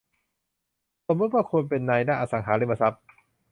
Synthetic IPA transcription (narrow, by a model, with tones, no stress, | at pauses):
so˨˩˦mo˦˥a˥˩kʰu˧npe˧nːaː˧jdaː˥˩˨ʔa˧sa˩˦ŋɦaː˩˦leː˦˥˩mːa˧sa˦˥p̚